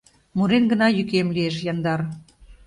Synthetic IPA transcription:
muɾenɡə̆nɑjykemlieʃ̬jɑnd̪ɑr

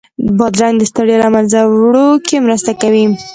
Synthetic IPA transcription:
bɑd̪ɾaŋɡd̪əst̪aɽjolamanzawɽokemɾəst̪akawi

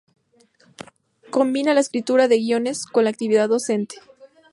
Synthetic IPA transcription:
ko̞mbinalaeskɾit̪uɾaðe̞ɣjo̞ne̞sko̞nlaːk̚t̪iβiðaðo̞se̞nt̪e̥

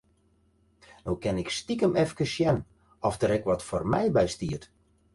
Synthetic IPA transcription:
nowkɛnɪkstikəmɛfkəʃjɛn | ɔfdəɾɛkʋɔtformɛjbɛjstiət

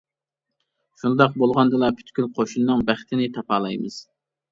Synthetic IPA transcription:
ʃund̪ɑq̚bolˠʁɑnd̪ɨlˠɑpʰy̥t̪kʲylqʰoʃunnɨŋbæχt̪ʰɪnɪt̪ʰɑpʰɑːlˠɑjmɨz̥

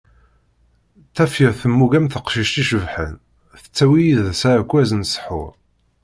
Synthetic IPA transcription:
θæfiɾθəmːuɡæmθəqʃiʃt̪iʃəvħə̰n | θə̥t͡sːæwijiðsakʷːæzənsˤə̥ħʊ̰ɾ

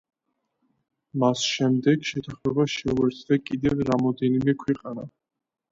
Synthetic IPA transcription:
masʃɛmd̪ɛɡʃɛt̪ʰaχmɛbaʃɛuɛɾt̪ʰd̪akʼid̪ɛvɾamɔd̪ɛnimɛkʰwɛqʼana

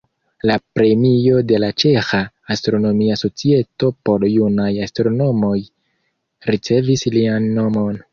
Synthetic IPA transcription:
lapɾe̞mio̞de̞lat͡ʃe̞xaː | stɾo̞no̞miaso̞t͡sie̞to̞po̞ɾjunajastɾo̞no̞mo̞j | ɾit͡se̞vislianːo̞mo̞n

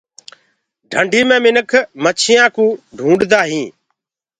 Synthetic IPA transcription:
ɖʱəɳɖʱiːmẽːmɪnəkʰmət͡ʃʰɪjãːkũːɖʱũːɳɖd̪aːɦĩː

